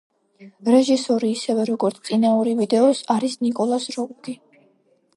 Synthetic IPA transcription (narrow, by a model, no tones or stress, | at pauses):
ɾɛʒisɔɾiːsɛvɛɾɔɡɔɾt̪sʰt̪ʼinauɾivid̪ɛɔsaɾisnikʼɔlˠasɾɔuɡi